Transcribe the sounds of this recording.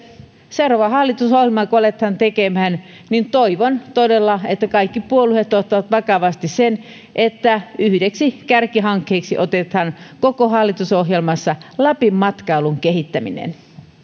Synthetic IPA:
seuroʋɑɦɑlːit̪usohjelmɑkoolet̪hɑnt̪ekemææn | nint̪oiʋont̪odelːɑet̪ːækɑikːipuoluhet̪ːot̪ːɑʋɑt̪ʋɑkɑʋɑst̪issen | ʔet̪ːæyhydeksikærkiɦɑŋkːeːksiʔot̪et̪hɑnkokoɦɑlːit̪usoɦjelmɑsːɑlæpimːɑt̪kɑiluŋkehit̪ːæmḭnḛn

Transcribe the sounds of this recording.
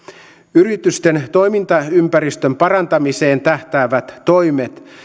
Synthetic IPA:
yɾit̪yst̪ent̪o̞jmint̪ɑympæɾist̪ømpɑɾɑnt̪ɑmise̞ːnt̪æht̪æːʋæt̪ːo̞jmet̪

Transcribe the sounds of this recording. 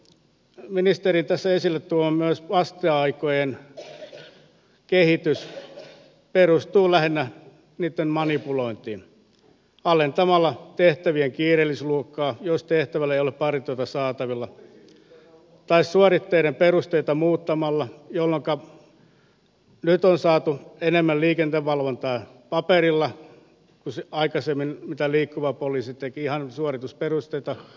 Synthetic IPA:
minist̪erint̪æsːæesilːet̪t̪ulɑmmyøsʋɑst̪eɑikojen | kehit̪ys | perust̪uːlæhenːæ | niːt̪ːemmɑnipuloint̪ḭːn | ɑlent̪ɑmɑlːɑt̪eht̪æʋieŋkiːrelːisluokːɑːjost̪eht̪æʋælːæeijoleppɑrit̪yot̪ɑsɑːt̪ɑʋilːɑ | t̪ɑissuɑrit̪ːeiɾemperust̪eit̪ɑmuːt̪ːɑmɑlːɑjolːoŋkɑ | nyt̪onsɑːt̪uenemːælliːkent̪eʋʋɑlʋont̪ɑˑi | pɑperilːɑ | kuseɑikɑsemːinmit̪æliːkːuʋɑpoliːsit̪ekiihɑnsuorit̪usperust̪eit̪ɑ

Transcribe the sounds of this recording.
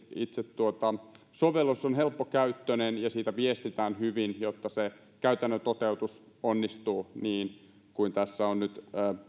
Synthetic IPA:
it̪set̪tuot̪ɑ | soʋelosːonhelpːokæyt̪ːønenjɑsiːt̪æʋiest̪it̪æːnhyʋinjot̪ːɑse | kæyt̪ænːøt̪ot̪eut̪us | onːist̪uːniːn | kuint̪æsːæonnyt̪ː

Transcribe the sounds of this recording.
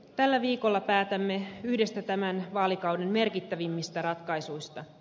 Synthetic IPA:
t̪ælːæʋiːko̞lːɑpæːt̪æmːe̞yhde̞st̪æt̪æmænʋɑːlikɑwde̞nme̞rkit̪ːæʋimːist̪æɾɑt̪kɑjsujst̪ɑ

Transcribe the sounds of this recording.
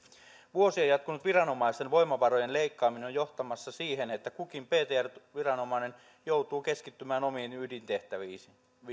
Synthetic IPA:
ʋuosiejɑt̪̚kunut̪ʋirɑnomɑist̪enʋo̞imɑʋɑro̞je̞nle̞ikːɑːmineojo̞ht̪ɑmɑsːɑsiːɦenet̪ːækukimpe̞ːt̪eːærʋirɑno̞mɑine̞n | jo̞wt̪uːke̞skit̪ːymæːnomiːnydint̪e̞ht̪æʋiː

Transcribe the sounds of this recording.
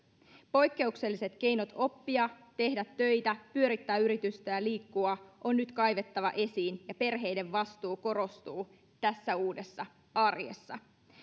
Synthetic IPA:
po̞jkːe̞ukse̞lːise̞t̪k̟e̞jno̞t̪o̞pːiɑt̪e̞hdæt̪ːø̞jt̪æpyø̞ɾit̪ːæːyɾit̪yst̪æjæliːkːuɑʔo̞nːyt̪kɑjʋe̞t̪ːɑʋɑ̰ʔe̞siːnjɑpe̞rɦe̞jde̞ʋʋɑst̪uːko̞ɾo̞st̪uː | t̪æsːæuːde̞sːɑ | ɑrjḛsːɑ

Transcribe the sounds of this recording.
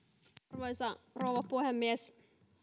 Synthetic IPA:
rʋoisɑrouʋɑpuhemːies

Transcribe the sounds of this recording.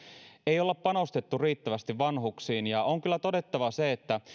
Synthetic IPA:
ejolːeppɑno̞st̪et̪ːuriːt̪ːæʋæst̪iʋʋɑnhuksiːnjɑoŋkylːæt̪o̞de̞t̪ːɑʋɑseːt̪ːæ

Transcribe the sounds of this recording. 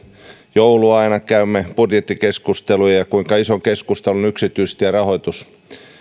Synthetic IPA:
jowluɑinɑkæymːeb̥udjet̪ːikeskust̪elujɑjɑkuiŋkɑisoŋkeskust̪elunyksit̪yist̪jɑrɑɦo̞jt̪us

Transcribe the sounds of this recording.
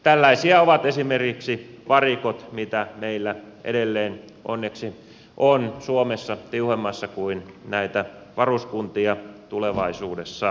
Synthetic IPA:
t̪ælːæisiɑoʋɑt̪esimerkiksiʋɑrikot̪mit̪æmeilːæʔḛdelːeːn | ʔo̰nːeksi | ʔonsuomesːɑt̪iuhemːɑsːɑkuinnæit̪æ | ʋɑruskunt̪iɑt̪uleʋɑisuːdesːɑ

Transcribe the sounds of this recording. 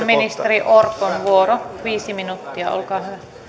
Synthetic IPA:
minist̪eriʔorkonʋuoroʋiːsiminut̪ːiɑ̰o̰lkɑːhyʋæ

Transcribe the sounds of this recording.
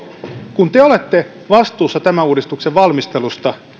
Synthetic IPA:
kunt̪eole̞t̪ːe | ʋɑst̪uːsːɑt̪æmæuːdist̪ukseʋʋɑlmist̪e̞lust̪ɑ

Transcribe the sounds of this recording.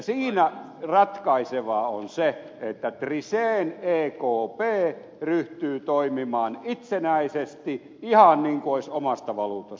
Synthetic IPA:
siːnæ | rɑt̪kɑiseʋɑːonse | et̪ːæt̪riseːneːkoːpeː | ryht̪yːt̪oimimɑːnit̪senæisest̪i | ihɑnniːŋkuoisomɑst̪ɑʋɑluːt̪ɑs

